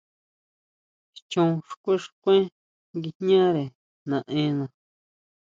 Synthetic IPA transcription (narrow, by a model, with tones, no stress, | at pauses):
t͡ʃũ˧ʂkʷe˦ʂkʷẽ˦ | ŋɡi˧ɲã˦ɾe˨ | nã˨˧ʔẽ˧˦nã˨